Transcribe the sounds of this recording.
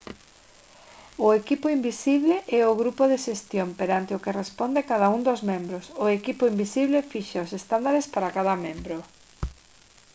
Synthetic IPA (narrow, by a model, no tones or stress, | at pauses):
ʊekipʊimbisiβleʔɛʊɣɾupʊðeʃest̪jompeɾant̪eʊkerespond̪ekað̞aund̪ozmẽmbɾʊsʊekipʊimbisiβlefiʃaosest̪and̪aɾespaɾakaðɐmẽmbɾʊ